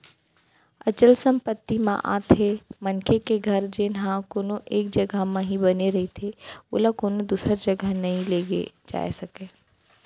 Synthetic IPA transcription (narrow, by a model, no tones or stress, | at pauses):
ɐt͡ʃəlsə̃mpət̪ːimã̰ʔa̰ːt̪ʰemɐnkekeɡʱɐɾd͡ʒenɦãkoːnoʔeːk̚d͡ʒɐɡʱəmãɦibɐneɾɐɦit̪ʰeʊ̰ːləkoːnod̪uːsəɾd͡ʒɐɡʱənɐɦĩleːɡḛd͡ʒa̰ːḛsɐkeː